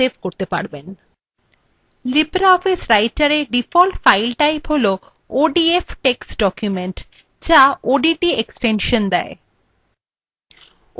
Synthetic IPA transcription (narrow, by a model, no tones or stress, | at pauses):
ebʱkoɾt̪epa̰ɾben | libɾaɔfisɾajʈaɾeɖifɔlʈfajlʈajpɦolo | oɖiefʈeksɖɔkjumeɳʈ | d͡ʑaoɖiʈieksʈenʃond̪ɛ̰e